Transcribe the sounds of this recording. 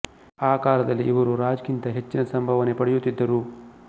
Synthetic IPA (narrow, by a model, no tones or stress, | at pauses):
aːkaːɾɐd̪ɐlːiʔiʋɐɾuɾaːd͡ʒkint̪ɐɦe̞t͡ʃːinɐsɐmbʱɐʋɐne̞pɐɽejut̪ːid̪ːɐɾu